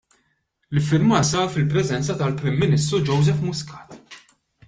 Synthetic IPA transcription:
lɪfːɪɾmɐːsɐɾfɪlpɾɛzɛnt͡sɐt̪ɐlpɾɪmːɪnɪst̪ɾud͡ʒɔwzɛfmʊskɐ̥ːt̪

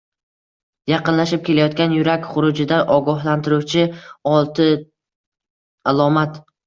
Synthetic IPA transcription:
jɑqɨnlaʃɪp̚kʲe̞lajɒt̪kʲanjʊɾakʲχʊɾʊd͡ʒɪd̪aʔɒɡɒɦlant̪ʰɪɾuwt͡ʃʰɪɒlˠt̪ʰɪ | alˠɒmat̪

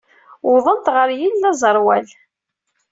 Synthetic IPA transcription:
ʊðˤənt̪ʁəɾjinːæzˤəɾˤwæl

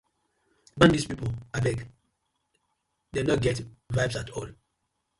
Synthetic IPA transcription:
bãndispipoabɛk | denɔt̚ɡɛtvaɪbsatʰɔl

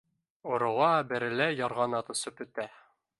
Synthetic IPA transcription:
ŏɾŏwɑbɘ̆ɾɘ̆læjɑɾʁɑnɑt̪ɤ̆sɤpɵ̆t̪æ

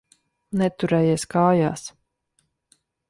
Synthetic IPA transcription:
nɛt̪uɾɛːjeɛskaːja̰ːs

